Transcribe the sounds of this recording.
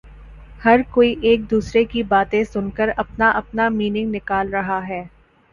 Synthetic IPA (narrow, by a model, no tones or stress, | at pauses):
hɐɾkoːiʔeːk̚d̪uːsɾekibaːt̪ẽsʊnkəɾɐpnaʔɐpnamiːnɪ̃ŋɡnɪkaːlɾɐɦaɦɛː